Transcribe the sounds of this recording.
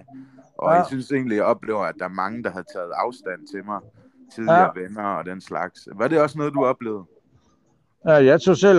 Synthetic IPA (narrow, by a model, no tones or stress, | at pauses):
ʔɒ̽jasynse̝ːnlijɑ̈ɒ̽b̥le̝ːʊ̰ɐæd̥ɑ̈æɐmɑ̈ŋəd̥ɑ̈ɦhæð̩ˠt͡sʰɛ̰ːð̩ˠɑ̈ʊsd̥æn̰t͡sʰe̝mɑ̈ɪ | t͡sʰiðˠiʋenɐɒ̽d̥enslɑ̈ɡ̥sʋɑ̈ɾ̥e̝ɒ̽snɔ̽ːð̩ˠd̥uɒ̽b̥le̝̰ːʊð̩ˠ | æjɑ̈ɪt͡sʰo̰sel